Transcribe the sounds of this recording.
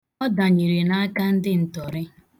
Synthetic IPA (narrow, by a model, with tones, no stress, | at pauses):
ɔ˦da˨ɲi˨ɾe˨na˦a˦ka˦n̩˦dɪ˦n̩˨tɔ˨ɾɪ˦